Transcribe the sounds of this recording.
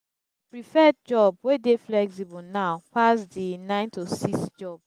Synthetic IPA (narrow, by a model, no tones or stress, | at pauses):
pɹifɛd̚d͡ʒɔb̚wedeflɛksibɔnaʊpasdinãɪ̃ntosiksd͡ʒɔb̥